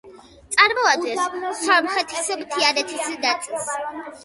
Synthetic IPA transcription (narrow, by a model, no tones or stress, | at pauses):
t̪sʼaɾmɔad̪ɛssaɾmχɛt̪ʰismt̪ʰianɛt̪ʰisɛd̪at̪sʼis